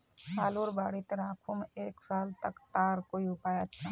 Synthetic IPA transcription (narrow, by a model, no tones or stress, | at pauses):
saːluːɾbaːɽit̪ɾãːkʰumeeːksaːlt̪əkt̪aːɾkoiʊpaːjat͡ʃʰa